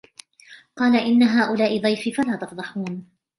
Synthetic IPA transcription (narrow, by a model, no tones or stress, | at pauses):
qɑːlaʔɪnːaɦaːʔʊlaːʔɪd̪ˤɑjfɪfalaːt̪ɑfd̪ˤɑħuːn